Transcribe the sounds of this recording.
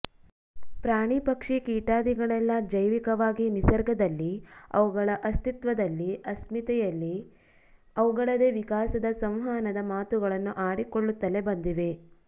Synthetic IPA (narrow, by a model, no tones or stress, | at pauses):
pɾaːɳipɐkʂikiːʈaːd̪iɡɐɭɛlːɐd͡ʒɐjʋikɐʋaːɡinisɐɾɡʱɐd̪ɐlːiɐ̰ʋuɡɐɭɐʔɐst̪it̪ʋɐd̪ɐlːiɐsmit̪ɛjɐlːi | ɐʋuɡɐɭɐd̪eʋikaːsɐd̪ɐsɐ̃mɦaːnɐd̪ɐmaːt̪uɡɐɭɐnːuʔaːɽikoɭːut̪ːɐle̞bɐnd̪iʋe̞